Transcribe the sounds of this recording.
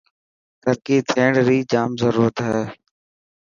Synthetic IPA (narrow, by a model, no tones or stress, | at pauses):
t̪əɾkiːt̪ʰeːɳɽɾiːd͡ʒaːmzəɾuːɾət̪ɦɛː